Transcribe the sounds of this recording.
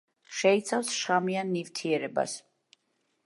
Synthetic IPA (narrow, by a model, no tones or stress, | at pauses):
ʃɛit̪sʰafsʃχamianːivt̪ʰiɛɾɛba̰s